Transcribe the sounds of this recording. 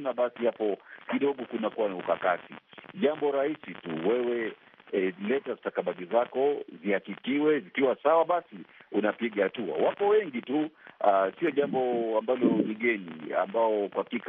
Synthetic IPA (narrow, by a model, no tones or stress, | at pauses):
naɓasihapɔkiɗɔɠɔkunakuwaniukakatḭʄambɔɾaisitṵwɛwɛ | lɛtazitakaɓaɗizakɔzihakikiwɛzikiwasawaɓasiunapiɠahatua̰wapɔwɛŋɡituasiɔʄambɔambalɔliɡɛnḭa̰mbaɔkwakik